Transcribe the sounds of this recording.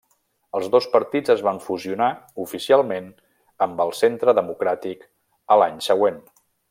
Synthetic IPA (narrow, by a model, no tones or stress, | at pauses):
əlˠzðospəɾt̪id͡zəzβaɱfuziunaufisialˠmen | əmbəlˠsent̪ɾəðəmukɾat̪ik | əlaɲsəɣ̞wen